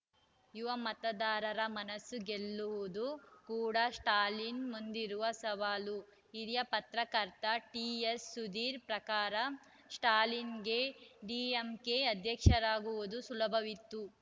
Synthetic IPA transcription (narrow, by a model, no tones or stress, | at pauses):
juʋɐmɐt̪ɐd̪aːɾɐɾɐmɐnɐsːuɡelːuʋud̪ukuːɽɐsʈaːlinmund̪iɾuʋɐsɐʋaːlu | iɾijɐpɐt̪ɾɐkɐɾt̪ɐʈiesːud̪iːɾpɾɐkaːɾɐ | sʈaːlinɡeɖiːemkeɐd̪ʱjɐkʂɐɾaːɡuʋud̪usulɐbʱɐʋit̪ːu